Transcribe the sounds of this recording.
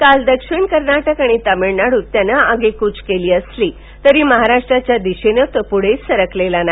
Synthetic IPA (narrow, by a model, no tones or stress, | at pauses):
kald̪əkʂiɳkəɾnaʈəkaɽ̃it̪əmeɭnaɽut̪ːjanaaɡekut͡skeliːəsliː | t̪əɾiːməɦaɾaʂʈɾat͡ɕjad̪iɕenət̪əpuɽ̤et͡ssəɾəklelana